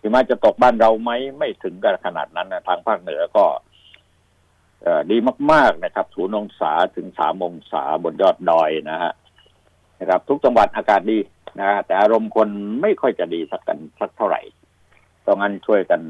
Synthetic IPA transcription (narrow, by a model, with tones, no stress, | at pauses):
t̪ʰiː˨˩maː˦˧˥t͡ɕa˨˩t̪o˨˩k̚baː˥˩nɾa˧wma˦˥jma˥˩jt̪ʰɯ˩˦ŋka˧˩kʰa˧na̰ː˨˩t̪̚na˦˥nːa˧˥˩t̪ʰaː˧ŋpʰaː˥˩k̚nɯ˨˩˦ɐkɔː˥˩ | ʔaː˨˩diː˧maː˥˩k̚maː˥˩k̚na˧˩kʰa˦˥p̚sʰuː˨˩˦no˧ŋsa̰ː˩˦t̪ʰɯ˩˦ŋsa̰ː˩˦mːoː˧ŋsa̰ː˩˦bo˨˩njɔː˥˩t̪̚dɔː˧jna˦˥kʰa̰˧˥ | na˦˥˩kʰa˦˥p̚t̪ʰu˦˥k̚t͡ɕa˧ŋwa˨˩nʔaː˧kaː˨˩t̪̚diː˧ | na˦˥kʰa˦˥t̪ɛː˨˩ʔaː˧ɾo˧mkʰo˧nma˥˩jkʰɔ˥˩jt͡ɕa˨˩diː˧sa˦˥kːa̰˧nsa˦˥k̚t̪ʰa˥˩wɾa̰˨˩j | t̪ɔː˧˩ŋa˦˥˩nt͡ɕʰu˥˩əjka˧n